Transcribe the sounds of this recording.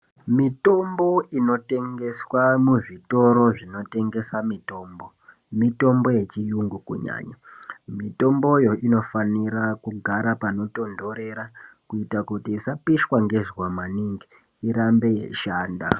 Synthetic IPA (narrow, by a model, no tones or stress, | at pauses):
mito̞mbo̞ino̞te̞ŋɡe̞swamuʐito̞ɾo̞ʐino̞te̞ŋɡe̞samito̞ːmbo̞ | mito̞mbo̞je̞t͡ʃijuŋɡukṵɲa̰ːɲamito̞mbo̞jo̞ʔino̞faniɾakuɡʱaɾapano̞to̞ndo̞ɾe̞ɾakuitakutisapiʃwaŋɡe̞zwamaniŋɡiː | ɾambe̞jḛʃaːnda̰